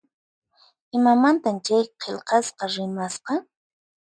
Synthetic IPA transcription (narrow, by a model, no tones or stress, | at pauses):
ɪmamant̪amt͡ʃajqʰelqɑsqɑɾɪmasqɑ